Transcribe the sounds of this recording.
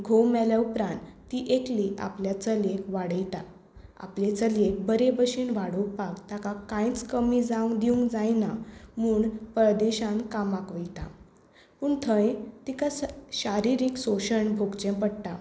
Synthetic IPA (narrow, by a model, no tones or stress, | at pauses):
ɡʱowmɛljaupɾãnt̪t̪ːiʔekliʔa̰pljat͡səlekʋaɽəjt̪a | a̰plet͡səlek̚bəɾebəɕiːɳʋaɽupakt̪akakãjt͡skəmid͡zaũŋd̪iũŋkd͡zajnamuːɳpəd̪eɕãnkamakʋəjt̪a̰ | puːɳt̪ʰə̃jt̪ikasɕaɾiɾiksoɕəɳbʱoɡt͡ɕẽpəɽʈa